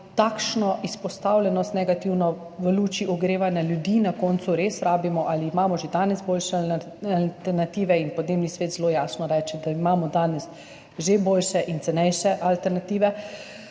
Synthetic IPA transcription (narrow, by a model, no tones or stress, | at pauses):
t̪aːkʃnɔʔispɔst̪awlʲɛnɔst̪nɛɡat̪iwnɔ | ʋəluːt͡ʃiʔɔɡɾeːʋanjaljud̪iːnakɔːnt̪suɾesɾaːbimɔʔaliːmaːmɔʒed̪aːnɛsboːlʃɛ | alt̪ɛɾnat̪iːʋɛinpɔd̪neːmnisʋeːt̪zlojaːsnɔɾɛt͡ʃɛd̪aimaːmɔd̪aːnɛs | ʒeboːlʃɛʔint̪sɛnɛjʃɛʔalt̪ɛɾnat̪iːʋɛ